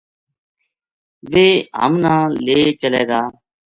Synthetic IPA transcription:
ʋeːɦə̰mnãːleːt͡ʃəleːɡaː

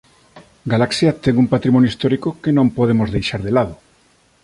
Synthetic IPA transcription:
ɡalaksjat̪eŋumpat̪ɾimonjoist̪oɾikokenõmpoð̞emozðejʃaɾðelaðo

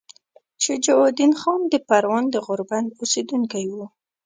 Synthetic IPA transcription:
t͡ʃəd͡ʒawɑd̪inxɑnd̪əpaɾwɑnd̪əɣʊɾband̪osed̪uŋkajwu

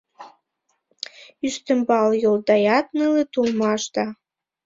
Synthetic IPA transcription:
yʃt̪ə̆mbɑljold̪ɑjɑt̪nəlet̪ulmɑʃd̪ɑ

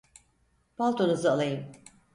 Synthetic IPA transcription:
b̥alˠt̪ʰonuzɯalˠajɯm

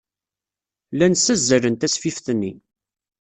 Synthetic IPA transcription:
lænsæzːəɾənt̪æsfifθnːi

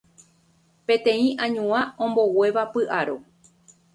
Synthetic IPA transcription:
pẽ̞t̪ẽ̞ĩʔãɲũãõ̞mbo̞we̞ʋapɨʔaɾo

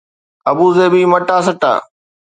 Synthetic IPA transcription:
ɐbuːzeːbʱiːməʈaːsəʈa̰ː

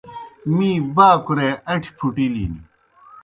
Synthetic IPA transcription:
mĩːbaːkuɾeɐʈʰi̥pʰuʈilḭːnḭ

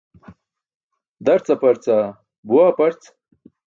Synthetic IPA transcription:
d̪ɐɾt͡sapɐɾt͡sa | buaːpɐɾt͡s

